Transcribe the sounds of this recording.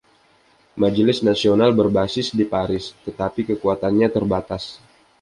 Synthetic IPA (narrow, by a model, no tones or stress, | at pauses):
mad͡ʒəlɪsnasionalbərbasɪsdipaɾɪst̪ət̪apikəkuat̪anɲat̪ərbat̪as